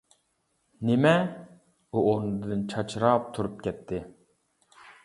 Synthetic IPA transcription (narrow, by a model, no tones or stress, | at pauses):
nɪmɛ | uʔonɨd̪d̪ɨnt͡ʃʰɑt͡ʃʰɾɑːp̚t̪ʰuɾup̚kʲɛt̪ʰːɪ